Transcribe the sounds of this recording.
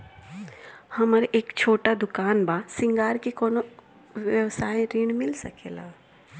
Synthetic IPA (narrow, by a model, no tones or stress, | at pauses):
hɐməɾʔeːkt͡ʃʰoːʈad̪ʊkaːnbaːsɪ̃ŋɡaːɾkekoːno | ʋjəʋsaːẽɾiːɳmɪlsəkeːlaː